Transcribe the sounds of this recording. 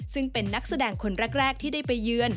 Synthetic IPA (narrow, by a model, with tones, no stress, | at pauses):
sɯ˥˩ŋpe˧nːa˦˥k̚sa˧dɛː˧ŋkʰo˧nɾɛ˦˥k̚ɾɛː˥˩k̚t̪ʰiː˥˩daː˥˩jpa˧jːɯː˧ən